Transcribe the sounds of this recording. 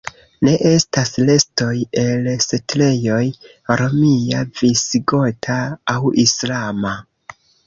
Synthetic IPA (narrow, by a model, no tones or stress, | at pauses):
ne̞ʔe̞stasle̞sto̞je̞lsetle̞jo̞j | ɾo̞miavisɡo̞tʰaːwislama